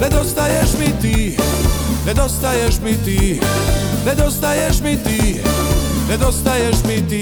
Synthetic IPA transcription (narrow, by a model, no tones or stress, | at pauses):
ɛd̪ɔst̪ajɛʒmit̪i | ɾɛd̪ɔst̪ajɛʒmit̪i | ɾɛd̪ɔst̪ajɛʒmit̪i | pɾɛd̪ɔst̪ajɛʒmit̪i